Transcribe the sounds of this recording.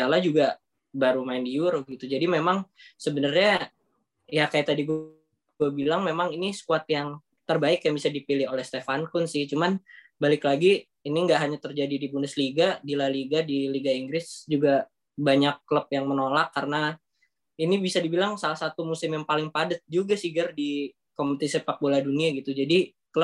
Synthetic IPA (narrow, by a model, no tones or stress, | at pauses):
alad͡ʒuɡa | baɾumaɪndiuɾhɡit̪ud͡ʒadimemaŋsəbənərɲa | jakajaʔt̪adiɡ | ɡuabilaŋmemaŋiniskuat̪̚jaŋ | t̪ərbaɪkjaŋbisadipilɪholɛhst̪efankʊnsɪht͡ʃuman | balɪklaɡiː | niŋɡaʔɦaɲat̪ərd͡ʒadidibunəsliɡadilaliɡadiliɡaiŋɡɾɪsd͡ʒuɡa | baɲakːələp̚jaŋmənolakːaɾəna | inibisadibilaŋsalahsat̪umusɪmjaŋpalɪŋpadət̪̚d͡ʒuɡasiɡərdi | kompət̪isepak̚boladuniaɡit̪ud͡ʒadi | kləp̚